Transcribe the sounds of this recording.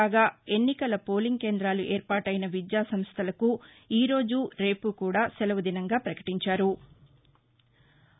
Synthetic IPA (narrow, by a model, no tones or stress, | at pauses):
aːɡaːe̞nːikɐlɐpo̞ːliŋɡ̚ke̞ːnd̪ɾaːluʔe̞ːɾpaːʈɐjnɐʋid̪jaːsɐmst̪ʰɐlɐku | iːɾo̞ːd͡ʒuɾe̞ːpukuːɽaːsɛlɐʋɐd̪inɐŋɡaːpɾɐkɐ̥ʈiɲt͡ʃaːɾu